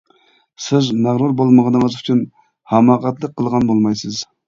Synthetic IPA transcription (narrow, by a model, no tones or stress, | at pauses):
sɪzmæʁɾuɾbolˠməʁənəŋəzyt͡ʃʰyn | hɑmɑːqɑt̪lˠəq̚qʰːəlˠʁɑnbolˠmɑjsɨz